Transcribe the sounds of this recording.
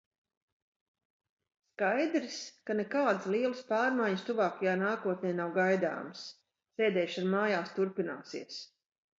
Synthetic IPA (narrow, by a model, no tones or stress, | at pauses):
skajd̪ɾiskanekaːd̪ɨslˠiɛlˠɨspaːɾmajɲst̪uvaːkajaːnaːkuɔt̪̚nʲɛjnawɡajd̪a̰ːms | seːd̪ɛːjʃaɾmaːjaːst̪uɾpina̰ːsḭɛəs